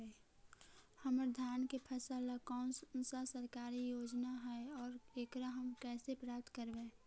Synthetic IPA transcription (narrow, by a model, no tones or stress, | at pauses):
həməɾd̪ʱjaːnkepʰəsəlakɔːnssəsəɾkaːɾijoːd͡ʒnaɦɛeɔːɾeːkɾəɦəmkɛːsepɾaːp̚t̪kəɾbẽ